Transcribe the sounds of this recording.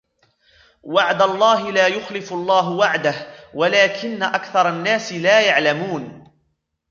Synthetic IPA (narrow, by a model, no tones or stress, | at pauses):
waʕd̪alˤːɑːɦɪlaːjʊxlɪfʊlˤːɑːɦʊwaʕd̪ahwalaːkɪnːaʔakθɑɾˤɑnːaːsɪlaːjaʕlamuːn